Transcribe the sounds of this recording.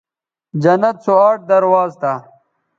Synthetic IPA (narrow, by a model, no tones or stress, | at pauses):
d͡ʑɐnɐt̪̚soaːʈ̚d̪ɐɾwaːzt̪a